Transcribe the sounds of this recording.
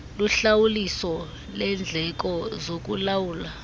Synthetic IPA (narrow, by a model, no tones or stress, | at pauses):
luɬawulisɔ | lɛnd͡ɮʱɛk̬ɔzok̬ṵlawuːla